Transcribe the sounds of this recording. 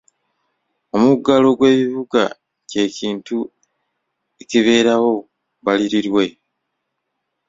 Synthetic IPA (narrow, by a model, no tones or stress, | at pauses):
o̞muɡalo̞ɡwe̞ːβiβuɡa̰ | ce̞ːciːntu | eciβe̞ːɾawo̞ | βaliɾiɾwe̞